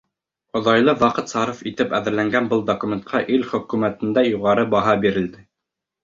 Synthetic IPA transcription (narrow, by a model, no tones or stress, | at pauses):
ŏðɑjlˠɤwɑqɤt̪sɑɾŏfit̪ɘpæðɘ̆ɾlæŋɡænbɤlˠd̪okumʲent̪̚qʰɑʔilχɵ̆kumæt̪ɘ̆nd̪æjuʁɑɾɤbɑɦɑbiɾɘ̆ld̪ɘ